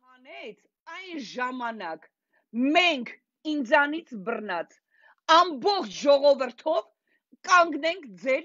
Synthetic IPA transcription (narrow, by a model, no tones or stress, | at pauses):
ɑnɛt͡sʰ | ɑjnʒɑmɑnɑk | mɛŋkʰ | ind͡zɑnit͡sʰbərnɑt͡s | ɑmbɔχt͡ʃʰʒɔʁɔvəɾt̪ʰɔv | kʼɑŋɡnɛŋkʰd͡zɛɾ